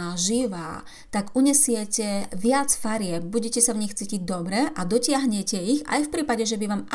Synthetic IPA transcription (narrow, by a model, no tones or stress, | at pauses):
aːʒiʋaː | t̪aɡuɲɛsɪɛcɛʋɪat͡sfaɾɪɛp̚buɟɛcɛsavɲixt͡siːciɟ̚d̪ɔbɾɛʔad̪ɔcɪaɦɲɛcɛiɣa̰jfpɾiːpaɟɛʒɛbiʋaːma